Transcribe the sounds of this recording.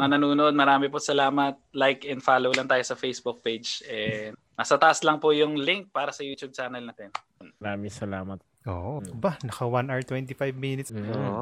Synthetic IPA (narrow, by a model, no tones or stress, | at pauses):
ŋanɐnuːnoʔod̪̚mɐɾaːmɪposɐlaːmɐt̪̚lajkʔɛnd̪faːlowlɐŋt̪aːjosɐfejsbʊk̚pejd͡ʒʔɛ | nɐsɐt̪ɐʔaslɐŋpojʊŋlɪŋk̚paːɾɐsɐjuːt̪jub̚t͡ʃaːnɐlnat̪ɛn | mɐɾaːmɪŋsɐlaːmɐt̪̚ | oːbanɐkɐwanʔaɹt̪wɛnt̪ifajvminɪt̪s